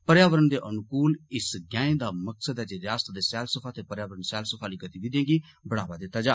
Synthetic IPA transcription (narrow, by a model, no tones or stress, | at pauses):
pəɾjaːʋəɾənd̪eːʔənʊkuːlɪsɡãːẽːd̪aːməksəd̪ɛːd͡ʒeːɾjaːst̪d̪eːsɛːlsəpʰaːt̪eːpəɾjaːʋəɾənsɛːlsəpʰaːliːɡət̪iːʋid̪jẽːɡiː | bəɽaːʋaːd̪ɪt̪ːaːd͡ʒaː